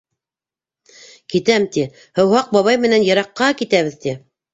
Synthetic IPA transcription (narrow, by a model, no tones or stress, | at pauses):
kit̪æmt̪i | hɤ̆whɑq̚bɑβɑjmɘ̆nænjɑɾɑqːɑkit̪æβɘðt̪i